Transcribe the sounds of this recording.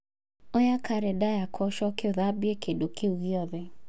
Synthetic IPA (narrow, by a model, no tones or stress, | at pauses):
ɔjakaɾedajakʰɔʃɔkeoðabɪekedokʰeuɣiɔðɪ